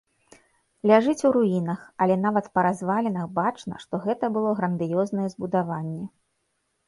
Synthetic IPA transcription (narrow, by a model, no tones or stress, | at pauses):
lʲaʐɨt͡sʲuɾujinɐxɐlʲɛn̪avɐt̪pɐɾazvalʲɛnɐxbat͡ʂnɐ̰ʂt̪ɔɣɛt̪ɐbɨlˠɔɣɾɐnd̪ɨjɔznɐjɛzbud̪avanʲːɛ